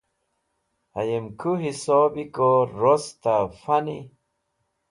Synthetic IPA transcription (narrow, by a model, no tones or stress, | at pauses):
a̰jemkʰuɦisoːbikoɾost̪afani